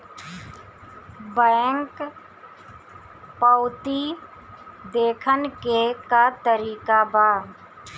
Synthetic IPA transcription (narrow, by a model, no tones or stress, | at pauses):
bɛːŋk | pəʊt̪i | d̪eːkʰənkekat̪əɾiːkabaː